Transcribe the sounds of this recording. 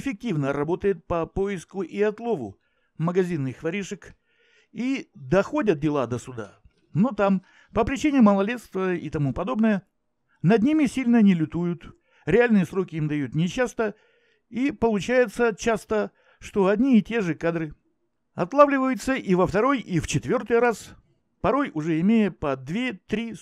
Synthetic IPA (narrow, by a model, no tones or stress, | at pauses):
ɪfʲɪk̚tʲivnəɾɐbo̞t̪əjɪt̪̚pəpo̞ɪskʊʔiɐt̪lˠo̞vʊ̰ | məɡɐzʲinːɨxvɐɾʲiʂɨk | id̪ɐxo̞dʲət̪̚dʲɪlˠad̪əsʊd̪a̰ | no̞t̪am | pəpɾʲɪt͡ɕinʲɪməlˠɐlʲet̪st̪vəḭt̪ɐmupɐd̪o̞bnəjə | nɐd̪̚ʲnʲimʲɪsʲilʲnənʲɪlʲʊt̪ujʊt̪ | ɾʲɪalʲnɨjəsɾo̞kʲɪimd̪ɐjut̪nʲɪɕːast̪ə | ipəlˠʊt͡ɕæjɪt̪sət͡ɕast̪ə | ʂt̪o̞ɐd̪ʲnʲiɪtʲe̞ʐɨkad̪ɾɨ | ɐt̪lˠavlʲɪvəjʊt̪səʔivəft̪ɐɾo̞jift͡ɕɪt̪vʲo̞rt̪ɨjɾas | pɐɾo̞jʊʐɛɪmʲejəpɐd̪vʲet̪ɾʲi